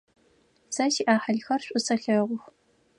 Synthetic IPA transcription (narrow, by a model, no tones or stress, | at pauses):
sɐʃiʔaːħɐɮxɐrɕʷʼʊsɐɬɐʁʷʊx